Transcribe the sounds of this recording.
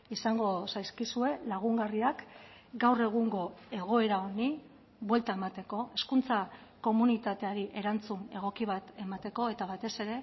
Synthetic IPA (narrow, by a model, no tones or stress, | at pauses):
isaŋɡo̞sajskisue̞laɣ̞uŋɡariakɡawre̞ɣ̞uŋɡo̞e̞ɣ̞o̞e̞ɾao̞ni | βwe̞lt̪ae̞mat̪e̞ko̞e̞skunt͡sako̞munit̪at̪e̞aɾiʔe̞ɾant͡sune̞ɣ̞o̞kiβ̞at̪e̞mat̪e̞ko̞e̞t̪aβat̪e̞se̞ɾe̞